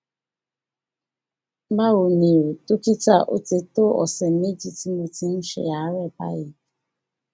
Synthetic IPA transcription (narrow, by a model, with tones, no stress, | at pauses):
ma˦ɣo˨ni˨o˨to˦ki˦ta˦˨ʔo̰˦te˨to˦ɔ̰˨sɛ˨n˦e˦d͡ʒi˦ti˦mo˨ti˨n̩˦ʃɪ̰˨ja˨˦ɾɛ˦˨pa̰˦jɪ˨